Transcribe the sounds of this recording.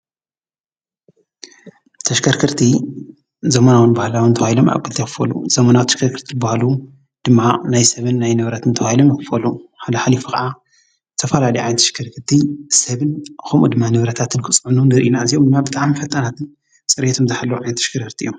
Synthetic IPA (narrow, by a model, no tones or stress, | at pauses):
t̪ʰɐʃkʰɐɾkʰɨɾt̪ʰi | zɐmɐnawɨnbahlawɨnt̪ʰɐwahilo̞mʔa̰βkʰɨlt̪ʰekɨ̥fɐlṵz̥ɐmɐnawt̪ʰɐ̥ʃkʰɐɾkʰɨɾt̪ʰibahlu | d̪̥ɨmːanajsɐβɨnːajnɨβɾɐt̪ʰɨnt̪ʰɐailomjikɨfɐluħad̪ɐħalifukʰɐʕa | zt̪ʰɐfɐlalijʕa̰jnɐt̪ʰɐ̥ʃkʰɐɾkʰɨɾt̪ʰisɐβɨnxɐmʔṵd̪ɨmːanɨβɾɐt̪ʰat̪ʰɨnkʰɨsʼʕnunɨɾʔinazijomd̪ɨmːabɨt̪ʼaʕmifɐt̪ʼɐnat̪ʰɨn | t͡sʼɨɾjet̪ʰomzɐħalːɐwʕajnɐt̪ʰɐʃkʰɐɾkɨɾt̪iʔjːum